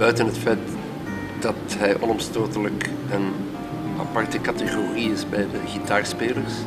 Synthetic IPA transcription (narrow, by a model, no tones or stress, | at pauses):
b̥œɥtənɦətfɛjt | d̥ɑtɦɛjʔɔ̰nɔmstoːtələk | ən | ɑ̰pɑrtəkɑtəɣoriɪsbɛjdəɣitaːrspeːlərs